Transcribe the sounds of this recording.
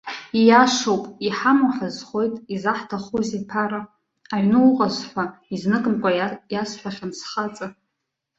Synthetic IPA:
ijaʂowpʼiħamaħʲʷᶣazχʷo̞jtʼizaħtʰaχuzepʰaɾa | aʕnɨwuqʼazħʷaiznɨkʼɨmkʷʼajasħʷᶣaχʲansχat͡sʼa

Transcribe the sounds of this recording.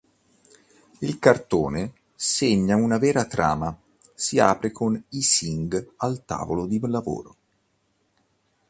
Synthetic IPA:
ilkart̪oːne | seɲːaunavɛːɾat̪ɾa̰ːma | sia̰ːpɾekʰonisiŋɡalt̪a̰ːvolod̪ilavo̰ːɾo

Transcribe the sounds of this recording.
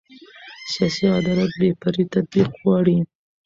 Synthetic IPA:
sijɑsiɑd̪ɑɾɑt̪̚bepaɾit̪ad̪̚biqɣwɑɽi

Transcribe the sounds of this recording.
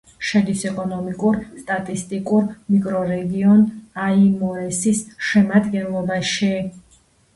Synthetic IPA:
ʃɛd̪isɛkʼɔnɔmikʼuɾst̪ʼat̪ʼist̪ʼikʼuɾmikʼɾɔɾɛɡiɔnaimɔɛsisʃɛmad̪ɡɛnlˠɔbaʃi

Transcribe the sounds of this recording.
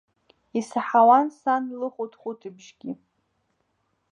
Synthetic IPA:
isaħawansanlɨχʷʊtʰχʷʊtʰɨbʒɡʲi

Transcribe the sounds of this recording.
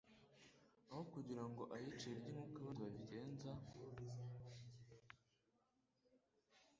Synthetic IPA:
ahokuɟiɾaŋɡo̞ʔajit͡ʃieɾɟiŋuːkaβanziβaviɟe̞ːnza

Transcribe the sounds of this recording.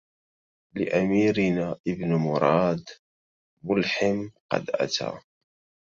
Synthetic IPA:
lɪ̰ʔamiːɾɪnaːʔɪbnmʊɾˤɑːd̪ | mʊlħɪmqɑ̰d̪ʔa̰t̪a̰ː

